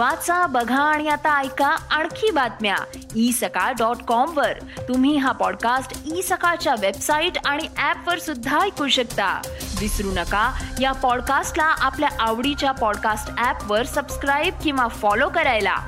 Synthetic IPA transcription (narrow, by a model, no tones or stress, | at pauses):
ʋat͡sabəɡʱaːɽ̃ijat̪aːjkaaɳkʰiːbat̪mja̰ | isəkaɖɔʈkɔmʋəɾ | t̪um̤iːɦapɔɽkasʈisəkat͡ɕjaʋebsaiʈaɽ̃iʔæpʋəɾsud̪ʱːajkuɕəkt̪a̰d̪isɾunəkajapɔɽkasʈlaʔapljaʔaʋɽit͡ɕjapɔɽkasʈæpʋəɾsəbskɾajb̚kĩw̃ʋafɔlokəɾajla̰